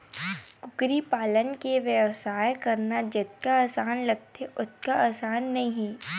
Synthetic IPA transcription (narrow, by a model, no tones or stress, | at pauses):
kʊkɾipaːlənkeʋjəʋsaːjkɐɾnad͡ʒɪt̪̚kaaːsaːnlɐɡ̚t̪eʔʊt̪̚kaaːsaːnːɐɦĩɦĩː